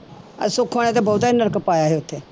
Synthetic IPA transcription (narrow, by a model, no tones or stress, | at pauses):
ə̰soːkʰaɽ̃ẽt̪̬ebɐʊt̪ainəɾkəpaːjaɦeʊt̪ʰːeː